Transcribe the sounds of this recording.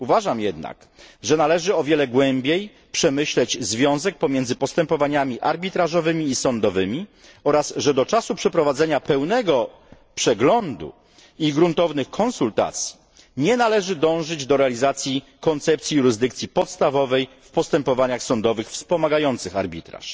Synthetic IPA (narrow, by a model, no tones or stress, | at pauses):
uvaʐamjɛd̪na̰k | ʐɛnalɛʐɘɔvʲjɛlɛɡwɛmbʲjej | pʂɛmɘɕlɛd͡ʑzvʲjɔ̃w̃zɛk̚pɔmʲjɛnd̪zɘpɔst̪ɛmpɔvaɲamʲiʔaɾbʲit̪ɾaʐɔvɘmʲiːsɔnd̪ɔvɘmʲi | ɔɾasʐɛd̪ɔt͡ʂasupʂɛpɾɔvad̪zɛɲapɛwnɛɡɔ | pʂɛɡlɔnd̪ṵ | iɡɾunt̪ɔvnɘxkʰɔ̃nsult̪a̰t̪sʲji̥ | ɲɛnalɛʐɘd̪ɔ̃w̃ʐɘd͡ʑd̪ɔɾɛalʲizat̪sʲji | kɔnt̪sɛp̚t̪sʲjijuɾɘzd̪ɘk̚t̪sʲjipɔt̪st̪avɔvɛjfpɔst̪ɛmpɔvaɲaxsɔnd̪ɔvɘxfspɔmaɡajɔnt̪sɘxa̰ɾbʲit̪ɾa̰ʂ